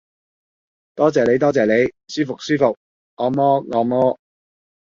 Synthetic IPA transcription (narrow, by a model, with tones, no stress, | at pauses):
t̪ɔː˥t͡sɛː˨˩le˨˧jt̪ɔː˥t͡sɛː˨le˨˧jsyː˥fʊ˨k̚syː˥fʊ˨k̚ː | ɔː˨˧mɔː˥ŋɔː˨˧mɔː˥